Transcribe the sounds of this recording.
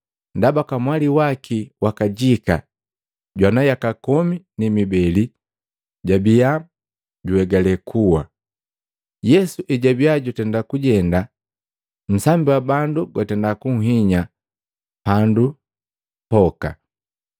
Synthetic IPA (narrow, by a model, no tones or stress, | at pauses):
ndabakamwaliwakʰiwakaɟika | ɟwanajakakɔminimibɛli | ɟabija | ɟuwɛɡalɛkʰuwa | jɛsuʔɛɟabiaɟutɛndakuɟɛnda | m̩sambiwabanduɡwatɛndakuŋ̩ɦiɲa | pandu | pɔka̰